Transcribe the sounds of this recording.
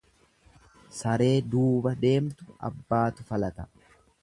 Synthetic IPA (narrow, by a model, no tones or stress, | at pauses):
sɐɾe̞ːd̪uːbɐd̪e̞ːmt̪ʊɐ̰bːaːt̪ʊfɐlɐt̪ɐ